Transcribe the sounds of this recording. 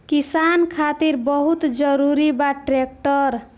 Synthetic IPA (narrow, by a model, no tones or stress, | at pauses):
kisankʰat̪iɾbəɦut̪d͡ʒəɾuɾibaʈɾek̚ʈəɾ